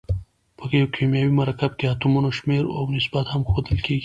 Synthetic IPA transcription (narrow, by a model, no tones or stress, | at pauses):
pəkejawkʰemjɑwimaɾakab̚keat̪umunoʃmeɾawnɪsbat̪hamxod̪əlkʰeɡi